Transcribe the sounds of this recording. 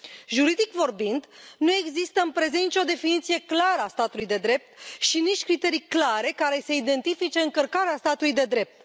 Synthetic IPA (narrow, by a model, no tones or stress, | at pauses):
ʒuɾid̪ikvo̞rbind̪nue̞ɡzist̪əɨmpɾe̞zenit͡ʃʲo̞d̪e̞finit̪sije̞klaɾəast̪at̪ulujd̪e̞d̪ɾe̞p̚t̪ʃiniʃtʲkɾit̪e̞ɾijklaɾe̞kaɾe̞seid̪e̞nt̪ifit͡ʃe̞ɨŋkərkaɾeast̪at̪ulujd̪e̞d̪ɾe̞p̚t̪